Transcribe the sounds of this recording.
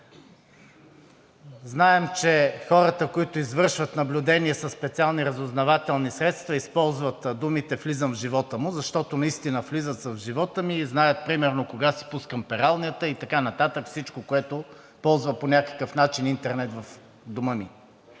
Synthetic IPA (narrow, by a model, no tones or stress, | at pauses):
znaɛmt͡ʃɛxɔɾət̪əkoit̪ʊizvɤɾʃvət̪nɐblʲʊd̪ɛniɛsɐsːpɛt̪sialˠniɾɐzʊznɐvat̪ɛlˠnisɾɛt̪st̪vɐispɔlˠzvət̪d̪umit̪ɛflizəmvʒivɔt̪əmʊzɐʃt̪ɔt̪ʊnɐist̪inəflizət̪səvʒivɔt̪əmiznajət̪̚pɾimɛɾnokoɡasi̥puskəmpɛɾalˠniət̪əit̪ɐkanɐt̪at̪əkfsit͡ʃkokoɛt̪ʊ | pɔlˠzvəponʲakə̥kəfnat͡ʃinint̪ɛɾnɛt̪vɐf | d̪ʊməmi